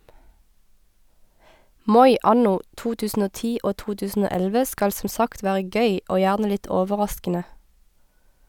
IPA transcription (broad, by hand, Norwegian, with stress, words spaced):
ˈmɔʏ ˈʔɑnʊ ˈʔtuː ˈtʉːsn̩ ˈoː ˈtiː ˈʔoː ˈtuː ˈtʉːsn̩ ˈoː ˈɛlʋə ˈskɑl sm̩ ˈsɑkt ˈʋæːʁə ˈɡœʏ ˈʔoː ˈjæːʁnə ˈlɪt ˈoːʋəˌʁɑskənə